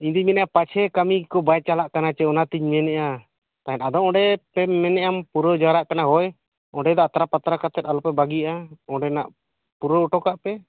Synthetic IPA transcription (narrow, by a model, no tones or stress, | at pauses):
iɲd̪imɛnɛʔapat͡ʃʰɛkamikɔbajt͡ʃalaʔkanat͡ʃɛɔnat̪iɲmɛnɛʔa | t̪aɦɛt̪ad̪ɔɔɖɛpɛmɛnɛʔampuɾɔd͡ʒaɾaʔkanaɦɔj | ɔɖɛd̪ɔat̪ɾapat̪ɾakat̪ɛt̪alɔpɛbaɡijaʔaɔɖɛnaʔ | puɾɔuʈɔkaʔpɛ